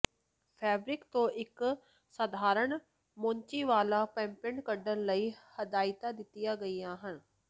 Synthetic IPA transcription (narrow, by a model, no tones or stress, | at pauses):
pʰɛːbɾɪkt̪õːʔɪk | səd̪ʱaːɾəɳ | mõɲt͡ʃiːʋaːlaːpɛ̃ːmpɪɳkəɖənləiːhəd̪aːɪt̪aːd̪ɪt̪ːɪjaːɡəiːãːɦən